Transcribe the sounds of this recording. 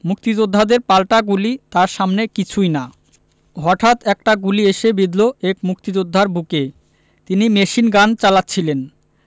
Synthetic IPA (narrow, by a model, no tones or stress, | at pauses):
muk̚t̪id͡ʑod̪ʱːad̪eɾpalʈaɡulit̪aɾʃamnekit͡ɕʰujna | ɦɔʈʰat̪ɛk̚ʈaɡulieʃebid̪loekmuk̚t̪id͡ʑod̪ʱːaɾbuke | t̪inimeʃinɡant͡ɕalatːɕʰilen